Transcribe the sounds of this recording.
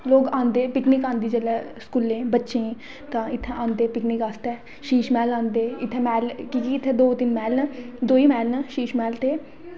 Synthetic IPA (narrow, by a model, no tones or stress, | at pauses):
loːɡãːnd̪eːpɪknɪkãːnd̪iːd͡ʒəlɛːskuːlẽːbətːʃẽː | t̪ãːɪt̪ʰːɛ̃ːãːnd̪eːpɪknɪkaːst̪ɛː | ʃiːʃmɛːlãːnd̪eːɪt̪ʰːɛːmɛːlkiːkiːɪt̪ʰːeːd̪oːt̪ɪnmɛːlnːd̪oːiːmɛːlnaʃiːʃmɛːlt̪eː